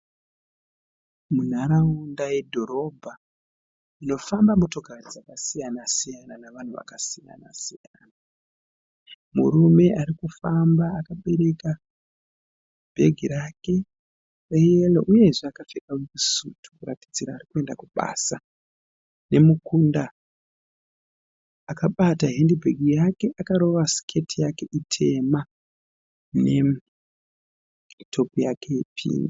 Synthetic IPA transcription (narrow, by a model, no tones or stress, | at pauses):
mun̤aɾaundaje̞dʱo̞ɾo̞bʱa | ino̞fambamutoɡʱarad͡zakasijanasijananaʋan̤uʋa̰kasija̰na̰sija̰ːna | mṵɾume̞ʔaɾikufambaːkaɓe̞ɾe̞ka | bʱe̞ɡʱiɾake̞ | rejeloʔuje̞ʐeakafekawkusutʰu̥kura̰tid͡ziɾaːrikue̞ndakuɓa̰ːsa | ne̞mukunda | kaɓataɦendibʱe̞ɡʱijake̞ʔakaɾo̞ʋasi̥kʰe̞tʰijake̞ʔitʰe̞ma | ne̞ | tʰo̞pijakʰeipʰḭːni